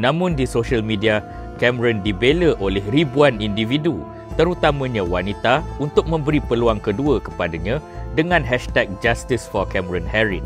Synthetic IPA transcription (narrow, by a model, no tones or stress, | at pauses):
nãmʊ̃ndisoʃəlmĩdia | kɛməɾəndibeləʔolɛhribuanindividu | t̪əɾut̪amãɲãwanit̪aunt̪ʊk̚mə̃mbəɾipəluaŋkəduəkəpadaɲãdəŋãnɦɛʃt̪ɛk̚d͡ʒast̪isfɔrkɛməɾɔnhɛɾin